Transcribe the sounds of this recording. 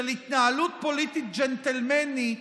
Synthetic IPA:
lit̪nalut̪̚polit̪ik̪̚d͡ʒɛnt̪ɛlmɛni

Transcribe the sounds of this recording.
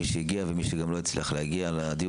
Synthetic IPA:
iʃeiɡiavemiʃeɡamlo̞it͡slḭχlehaɡialad̪i

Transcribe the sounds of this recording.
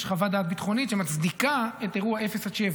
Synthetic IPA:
ʃχavad̪aːt̪̚bit̪χo̞nit̪ʃemat͡sd̪ikaet̪eʁuae̞fesat͡ʃev

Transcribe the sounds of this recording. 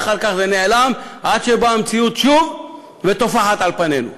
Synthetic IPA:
χaʁkaχzeneʕlamʔad̪ʃebamt͡siut̪ʃuv | vet̪o̞faħat̪ʕalpane̞nṵ

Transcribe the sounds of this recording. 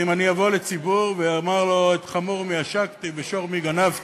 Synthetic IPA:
imanijavo̞let͡sibuʁveamaʁlo̞et̪χamuʁmijaʃakt̪ibeʃo̞ʁmiɡanav

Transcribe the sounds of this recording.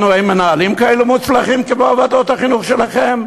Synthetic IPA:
noejmenaːlimkaelumut̪t͡slaχimkeboavad̪o̞t̪haχinuχʃe̞laχe̞m

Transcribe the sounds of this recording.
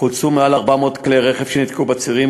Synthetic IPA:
ult͡sumealaʁbamo̞ːt̪kleʁeχev̥ʃenit̪kubat͡siʁim

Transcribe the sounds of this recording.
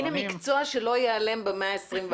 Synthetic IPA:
nemikt͡soaʃelo̞jeale̞mbemeaesʁimv

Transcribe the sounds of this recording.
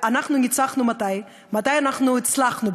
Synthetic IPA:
anaχnunɪt͡saχnumataɪ | mataɪanaχnuɪt͡slaχnu

